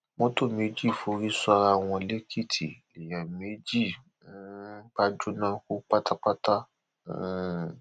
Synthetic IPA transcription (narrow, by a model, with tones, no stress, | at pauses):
mõ˦to˦˨me˨˦d͡ʒi˦˨fo˨˦ɾi˦sɔ˧ɾa˧w̃ɔ̃˧le˦kʰi˦˨tʰḭ˨ | i˨jɛ˨me˨˦d͡ʒi˦˨ | mu˨˦ba˦d͡ʒo˦nã˦ko˦k͡pa˦ta˦k͡pa˦ta˦